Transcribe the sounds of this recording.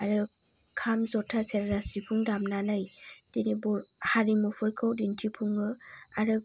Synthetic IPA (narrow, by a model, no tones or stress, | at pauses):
aɾɯ | kʰamzɔtʰaseɾzasipʰuŋdamnanɯjd̥inibɔɾhaɾimupʰɯjkʰɯwdintʰipʰuŋɯaɾɯ